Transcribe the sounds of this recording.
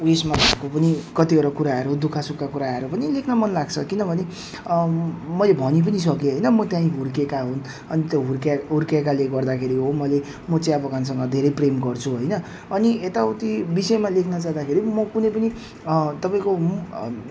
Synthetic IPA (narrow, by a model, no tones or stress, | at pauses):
wesmabʱakopʌnikʌt̪iʌɾʌkuɾaɦʌɾud̪ukʰasupkakuɾaɦʌɾupʌnilekʰnamʌnlaɡt͡sʰʌkinʌbʱʌne | mʌjlebʱʌnip̬ʌnis̬ʌkeɦʌjnʌmʌt̪jãĩɦuɾkekaɦun | ʌnit̪joɦuɾkɦurkekaleɡʌrd̪akʰeɾiɦomʌjle | mʌt͡sãĩʌbʌkans̬ʌŋɡʌd̪ʱeɾʌjpremɡʌrt͡sʰuɦʌjnʌ | ʌniet̪aut̪ibisʌjmalekʰnʌt͡saɦd̪akʰeɾimʌkunʌjp̬ʌni | t̪ʌpaĩko